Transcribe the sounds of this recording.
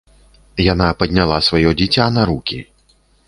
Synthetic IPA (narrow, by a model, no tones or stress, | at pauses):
janapɐd̪ʲnʲalˠasvajɔd͡zʲit͡sʲanaɾukʲi